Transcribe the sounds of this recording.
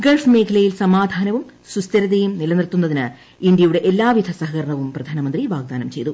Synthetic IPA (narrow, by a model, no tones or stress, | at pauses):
ɡɐɭfmeːkʰɐlɐjilsɐmaːd̪ʱaːnɐʋumsust̪ɐɾɐðejumnilɐnirt̪ːunːɐðinɨ | ind̪jɐjuɽe̞ʔelːaːʋjid̪ʱɐsɐɦɐkɐɾɐɳɐʋumprɐd̪ʱaːnɐmɐnd̪riʋaːɡ̚d̪aːnɐmt͡ɕe̞jt̪u